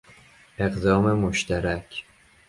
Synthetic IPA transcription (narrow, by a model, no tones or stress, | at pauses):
e̞ɢd̪ɒːme̞moʃt̪ʰæɾækʰ